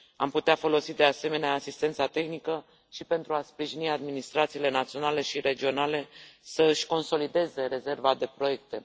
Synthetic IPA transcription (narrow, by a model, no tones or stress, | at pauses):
a̰mput̪eafo̞lo̞sid̪e̞ase̞me̞neaːsist̪e̞nt̪sat̪e̞xnikə | ʃipe̞nt̪ɾuaspɾiʒiniad̪minist̪ɾat̪siːle̞nat̪sio̞nale̞ʃiɾe̞d͡ʒio̞nale̞səɨʃʲko̞nso̞lid̪e̞ze̞ɾe̞ze̞rvad̪e̞pɾo̞je̞k̚t̪e̞